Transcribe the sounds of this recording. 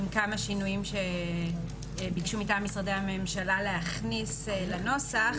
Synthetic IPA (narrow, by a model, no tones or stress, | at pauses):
mkamaʃinujimʃe | bikʃumitamisʁadehamemʃalalehaχnisleno̞saχ